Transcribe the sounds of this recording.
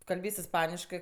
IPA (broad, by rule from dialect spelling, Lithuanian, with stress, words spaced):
kɐlʲˈbʲeːsʲ ɪsˈpɑːnʲɪʃkɜ